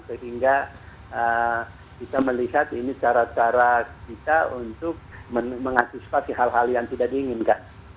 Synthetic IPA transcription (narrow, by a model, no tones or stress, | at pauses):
səɦiŋɡa | ə | kit̪aməliɦat̪init͡ʃaɾat͡ʃaɾakit̪aunt̪ʊk̚məməŋant̪isi̥pasiɦalɦaljaŋt̪idadiːŋɪnkan